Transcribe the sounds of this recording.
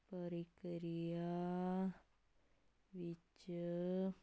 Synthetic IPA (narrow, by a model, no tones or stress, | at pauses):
pəɾikɾija | ʋit͡ʃə